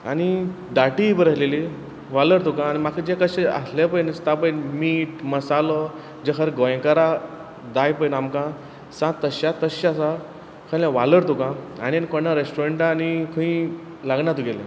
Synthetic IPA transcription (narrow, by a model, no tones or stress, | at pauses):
a̰ni | d̪aʈibəɾəɦleli | ʋaləɾt̪ukãːnimakʰəd͡ʑekəɕea̰slepəinəst̪ap̬əjnmiːʈməsalɔ | d͡ʑekʰəɾɡɔj̃kaɾa | d̪ajpəjnamkã | sãt̪ːəɕat̪əɕaasa | kʰəlãʋaləɾt̪ukãanienkɔnaɾesʈuɾeɳʈanikʰəĩ | laɡnat̪uɡelḛ̃